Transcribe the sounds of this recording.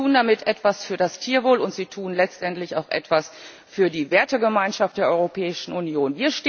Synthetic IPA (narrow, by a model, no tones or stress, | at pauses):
uːndamɪtʔɛtv̥asfyːɐdastʰiːɐvoːlʊntz̥iːtʰuːnlɛt͡stʔɛntlɪçaʊxʔɛ̰tv̥as | fyːɐdiːveːɐtəɡəmaɪnʃaft̚d̥eːɐʔɔʏʁopʰɛːɪʃn̩ʔunjoːnviːɐʃtː